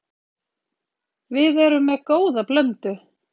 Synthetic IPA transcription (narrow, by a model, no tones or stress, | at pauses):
vɪðɛɾʏmːɛðkoːwðaplœnt̪ʏ